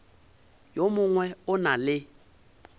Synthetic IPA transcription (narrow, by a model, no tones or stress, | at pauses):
jomʊŋwɛʊnalɪ